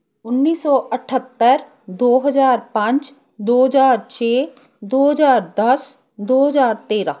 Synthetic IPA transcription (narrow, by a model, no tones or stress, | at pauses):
ʊnːiːsɔːʔəʈʰət̪ːəɾ | d̪oːɦəzaːɾpɐ̃ɲt͡ʃ | d̪oːɦəzaːɾt͡ʃʰeː | d̪oːɦəzaːɾd̪əs | d̪oːɦəzaːɾt̪eːɾãː